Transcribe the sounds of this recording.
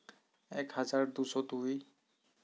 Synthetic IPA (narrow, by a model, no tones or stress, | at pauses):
ɛkhazaɹd̪usɔtuj